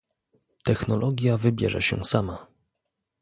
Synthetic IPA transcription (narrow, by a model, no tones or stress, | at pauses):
t̪ɛxnɔlʔɔɡʲjavɘbʲjɛ̰ʐɛ̰ɕɛ̰sama